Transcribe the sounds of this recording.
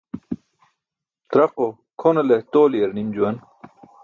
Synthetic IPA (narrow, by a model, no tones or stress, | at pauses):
t̪ɾɐqo | kʰonelet̪oːlijɐɾnimd͡ʑuwɐn